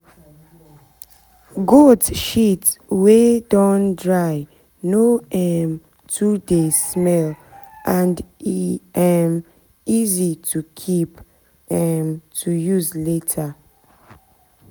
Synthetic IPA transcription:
ɡodʃitwedɔ̃ndɹaɪ | noɛm | tʰudesmɛlʔãnd | ɛm | izitʰukʰip | ɛmtʰujuzletʰa

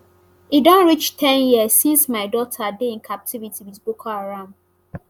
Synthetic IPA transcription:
idɔ̃nɹit͡ʃtʰɛ̃njisːĩnsmaɪdɔtʰadeĩnkʰap̚tʰivitiwizbokʰaaɹãʊ̃nd

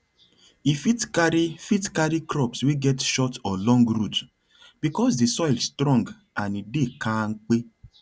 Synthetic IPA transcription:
ifitkaɾifitkaɾikɾɔpsweɡɛtʃɔtɔlɔ̃ŋɡɾut | b̥ikɔs̬disɔɪlstɾɔ̃ŋɡ | ãnidekaŋ̩k͡pe

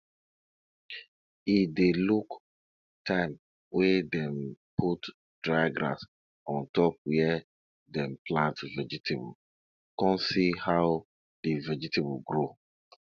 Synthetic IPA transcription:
ideluk | tʰãɪ̃m | wedɛ̃mpʰut | d̥ɹaɡɾa̰s | ɔ̃ntɔp̚wɛɛ | dɛ̃mplãntvɛd͡ʒitʰebɔl | kɔ̃nsihaʊ | divɛd͡ʒitebɔɡɹo

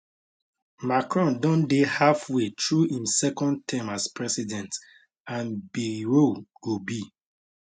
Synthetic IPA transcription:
makɹɔ̃ndɔ̃ndehafwetɹuĩmsɛkɔ̃nd̚tʰãmaspɹɛsidɛ̃nt | ãnbiɾiɹoɡ̥obi

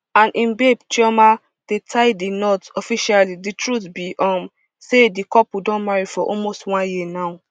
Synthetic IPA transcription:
ãnʔĩnbebt͡ʃiɔma | d̥etʰaɪdinɔtɔfiʃaliditɹutbiʔɔ̃m | sedikɔpudɔ̃nmaɹifɔʔɔlmostwãnjinaʊ

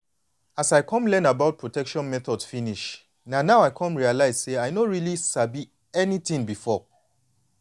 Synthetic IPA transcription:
asaɪkʰɔ̃mlɛ̃nabaʊt̚pʰɹotʰɛkʃɔ̃nmɛθɔdsfiniʃ | nanaʊaɪkʰɔ̃mɹialaɪz̥seaɪnoɹilisabi | ɛniθĩŋbifɔ

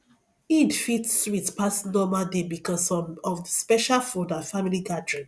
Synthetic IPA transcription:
idfitswitpasnɔmaldebikɔsɔvəspɛʃalfudafamiliɡadɹĩn

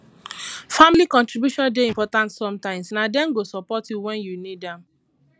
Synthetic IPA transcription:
familikɔ̃ntɹibjuʃɔ̃ndeĩmpɔtãntsɔ̃mtãɪ̃msnadɛ̃nɡosɔpɔtjuwɛ̃njunidãm

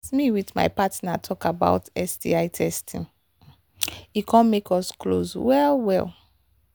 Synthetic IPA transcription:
smiwitma̰ɪpatnatʰɔkaba̰ʊtɛsdḭaɪtʰɛstʰḭ̃ŋ | ikʰɔ̃nmekɔsklo̰zwɛlwɛ̰lˠ

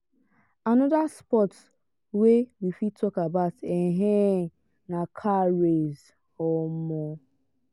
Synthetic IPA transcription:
anɔdaspɔt | wewifitʰɔkabaʊteɦe | nakʰaɾez | ɔmɔ

